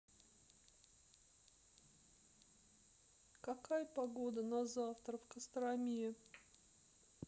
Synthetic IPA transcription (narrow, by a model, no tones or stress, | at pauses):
kɐkajpɐɡod̪ənɐzaft̪ɾəfkəst̪ɾɐmʲijə